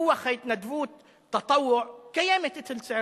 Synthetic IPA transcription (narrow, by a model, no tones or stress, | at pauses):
ʊwːaxajt̪nad̪buːt̪̚ː | ɑt̪ˤɑwːʊʕkajamɪt̪ɪt̪ɪlsɪʕ